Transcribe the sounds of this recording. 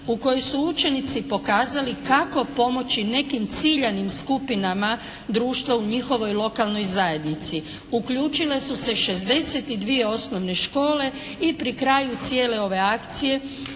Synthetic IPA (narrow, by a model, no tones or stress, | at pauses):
uko̞jojsuut͡ʃe̞nit̪sipo̞kaːzalikako̞po̞mo̞t͡ɕine̞kimt̪siʎanimskupinama | d̪ɾuːʃt̪ʋauɲixo̞ʋo̞jlˠo̞kalˠno̞jzaje̞d̪nit̪si | ukʎuːt͡ʃile̞suse̞ʃe̞zd̪e̞set̪id̪ʋije̞o̞snoʋne̞ʃko̞ːle̞ | ipɾikɾajut̪sije̞ːle̞o̞ʋe̞akt̪sije̞